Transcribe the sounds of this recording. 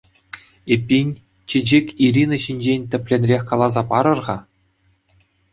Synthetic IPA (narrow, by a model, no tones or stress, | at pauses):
epʲːinʲ | t͡ɕɘ̆d͡ʑekʲiɾʲinɤ̆ɕinʲd͡ʑenʲt̪ʲɘ̆pʲlʲenʲrʲexʲkɑlˠɑzɑpɑɾɤ̆rʁɑ